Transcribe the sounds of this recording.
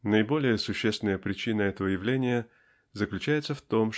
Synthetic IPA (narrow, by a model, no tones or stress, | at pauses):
nəɪbo̞lʲɪjəsʊɕːest̪ʲɪnəjəpɾʲɪt͡ɕinəɛt̪əvəjɪvlʲenʲɪjə | zəklʲʉt͡ɕæjɪt̪səft̪o̞m